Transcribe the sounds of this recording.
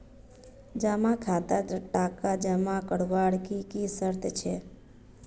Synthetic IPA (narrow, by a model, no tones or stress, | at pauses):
d͡ʒamãkʰat̪ad̪əʈakad͡ʒamãkəɽʋaɽkikisəɾt̪ʰt͡ʃʰe